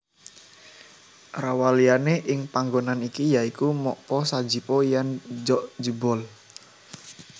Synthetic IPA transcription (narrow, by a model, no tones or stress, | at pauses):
rawalianeʔɪŋpaŋɡonanikijaikumɔʔpɔsḁd͡ʒipɔjand͡ʒɔʔd͡ʒəbɔl